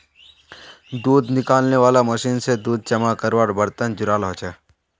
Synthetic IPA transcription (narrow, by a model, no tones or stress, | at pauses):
d̪uːd̪nɪkaːlneʋaːlaməʃiːnsed̪uːd̪̚d͡ʒɐmakəɾʋaːɾbəɾt̪ənd͡ʒʊɾaːlɦoːt͡ʃɛː